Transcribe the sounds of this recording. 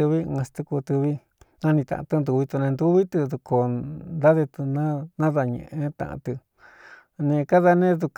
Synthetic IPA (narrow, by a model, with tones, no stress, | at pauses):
ɨ˧βi˦˧ã˧st̪u˧ku˧t̪ɨ˧βi˦ | nã˦nĩ˧t̪ã̰˨ã̰˧t̪ɨ˧nd̪u˧βi˧t̪u˧nẽ˧nd̪u˦βi˦t̪ɨ˧ðu˧ko˧˨nd̪a˦ðe˧t̪u˧nã˦nã˦ða˧ɲḛ̃˧ʔẽ˧˦t̪ã̰˨ʔã̰˧t̪ɨ˧ | nẽ˧ka˦ða˧nẽ˦ðu˧k